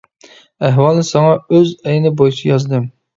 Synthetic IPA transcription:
æɦwɑlˠnɪsɑŋɑøzɛjɪnɪbojit͡ʃʰijɑzd̪ɨm

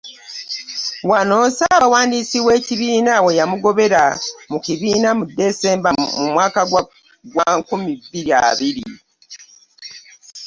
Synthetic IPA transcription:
wano̞ːsaβawaːndiːsiwe̞ːciβiːnawe̞jamuɡo̞βe̞ɾamuciβiːnamudːe̞se̞ːmbamumwaːka | ɡwakumibiɾia̰βiɾi

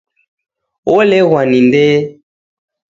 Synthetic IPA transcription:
wolɛɣwanindɛ

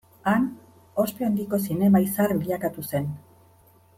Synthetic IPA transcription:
an | o̞speend̪iko̞s̬ine̞maisaɾɡiʎakat̪use̞n

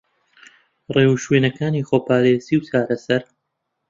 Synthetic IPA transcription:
reːwuʃweːnɐkaːniːxoːpʰaːɾeːziːwt͡ʃaːɾɐsɐɾ

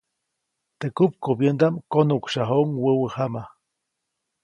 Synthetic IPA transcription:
t̪ekup̚kobjənd̪amkonukʃaɦoŋwəwəhama

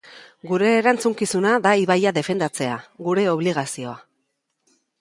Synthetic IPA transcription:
ɡuɾe̞ːɾant͡suŋkisunaðaiβajaðe̞fe̞nd̪at͡se̞aɣuɾe̞o̞βliɣ̞asio̞a

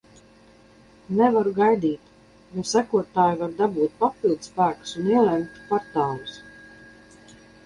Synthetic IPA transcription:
nɛvaɾuɡajd̪iːt̪ | jusækuɔt̪aːjuvaɾd̪abuːt̪̚papilˠd̪spæːku̥suniɛlˠɛmt̪pɔɾt̪aːlˠus

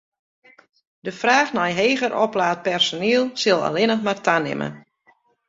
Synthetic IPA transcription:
dəfraːxnɔjɦeːɣərʔɔplaːt̚pɛrsoniəlˠsɪlˠa̰lɪnəxmartʰanɪ̰mə̰

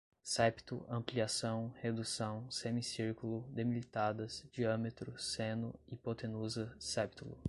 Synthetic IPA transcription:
sɛpt̪ʊɐ̃mpliasɐ̃w̃hed̪usɐ̃w̃semisiɾkulʊd̪emilit̪ad̪ɐsd͡ʒiɐ̃met̪ɾʊsẽnʊipot̪ẽnuzɐsɛpt̪ulʊ̰

